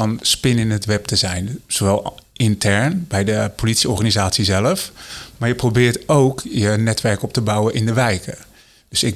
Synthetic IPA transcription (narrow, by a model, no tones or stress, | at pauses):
ɔnspɪnɪnətʋɛp̚təzɛjnz̥oʋɛlˠɪntʰɛɹnbɛjdəpʰolitsiɔɹχanizaːtsizɛləfmaːɹjəprobɪːɹtowkjənɛtʋɛɹkɔp̚təbawənʔɪndəʋɛjkʰə | døsɪk